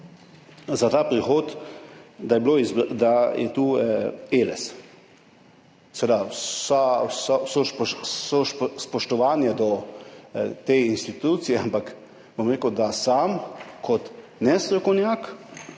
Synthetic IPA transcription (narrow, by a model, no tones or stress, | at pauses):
zat̪aːpɾixoːt̪ | d̪ajɛbloːizbd̪ajɛ̰t̪uːeːlɛ̰s | sɛʋed̪asassosoʃspɔʃt̪ɔʋaːnjɛd̪ɔ | t̪einst̪it̪uːt̪sijɛampak | bomɾeːkəwd̪asaːmkʰɔt̪ | nɛst̪ɾɛkɔnjaːk